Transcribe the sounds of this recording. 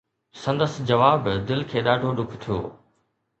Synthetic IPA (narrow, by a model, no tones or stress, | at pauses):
sɐ̃nd̪əsd͡ʑɐʋaːbd̪ɪlkʰeːɗaːɖʱoɗʊkʰt̪ʰijo̰ː